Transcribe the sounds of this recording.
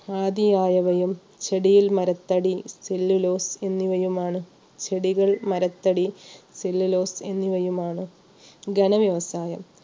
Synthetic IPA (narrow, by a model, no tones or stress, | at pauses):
aːd̪ijaːjɐʋɐjum | t͡ɕeɽijilmɐɾɐt̪ːɐɽiselːilo̞ːse̞nːiʋɐjumaːɳɨ | t͡ɕʰe̞ɽiɣɐɭmɐɾɐt̪ːɐɽiselːilo̞ːse̞nːiʋɐjumaːɳɨ | ɡɐɳɐʋjɐʋɐsaːjɐm